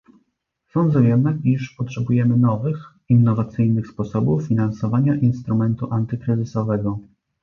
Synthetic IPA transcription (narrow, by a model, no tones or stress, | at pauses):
sɔ̃nd̪zujɛmɘiʂpɔtʂɛbujɛmɘnɔvɘx | inːɔvat̪sɘjnɘxspɔsɔbufːʲinansɔvaɲaʔinst̪ɾumɛnt̪uʔant̪ɘkɾɘzɘsɔvɛɡɔ